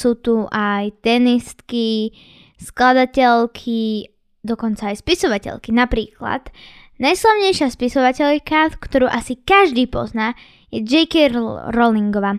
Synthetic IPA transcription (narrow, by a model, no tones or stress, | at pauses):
suːt̪uʔajt̪ɛnist̪ki | sklad̪acɛʎkʰi | d̪ɔkɔnt͡saːjspisɔʋacɛ̰ʎkinapɾiːkla̰d̪ | najslaʋɲɛjʃɪaspisɔʋacɛʎkakt̪ɔɾuːʔasikaʒd̪iːpɔ̰znaː | jɛd͡ʒɛjkiɾɔliŋɡɔʋaː